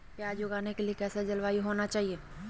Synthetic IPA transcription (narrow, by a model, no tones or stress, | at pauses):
pjaːd͡ʒjoɡaːnekeliekɛːsed͡ʒɐlʋaːiɦoːnat͡ʃaːɦieː